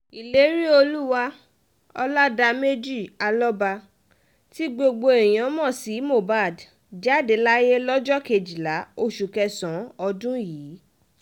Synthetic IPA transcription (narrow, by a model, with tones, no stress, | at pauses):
i˨le˨˦ɾi˦o˧lu˦wa˦ | ɔ˧la˦da˧me˦d͡ʒi˦˨a˧lɔ˦ba˧ | ti˦ɡ͡bo˧ɡ͡bo˧ẽ˨ã˨˦mɔ̃˦˨si˨˦mo˦˨ba˦˨d | d͡ʒa˦˨de˨˦la˦je˦lɔ˦d͡ʒɔ˦ke˧˨d͡ʒi˨la˨˦o˧ʃu˨kɛ˧sɔ̃˨˦ɔ˧dũ˦jiː˨˦